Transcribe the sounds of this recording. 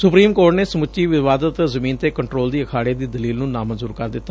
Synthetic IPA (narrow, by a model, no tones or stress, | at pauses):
sʊpɾiːmkoːɾʈneːsəmʊt͡ʃːt͡ʃiːʋɪʋaːd̪ət̪zəmĩːnt̪eːkəɳʈɾoːld̪iːəkʰaːɽeːd̪iːd̪əliːlnũːnaːmənzuːɾkəɾd̪ɪt̪ːaː